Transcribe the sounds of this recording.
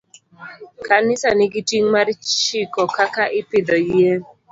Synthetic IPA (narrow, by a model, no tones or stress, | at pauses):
kanɪsanɪɡitiŋmaɾt͡ʃikɔkakaʔɪpɪd̪ɔie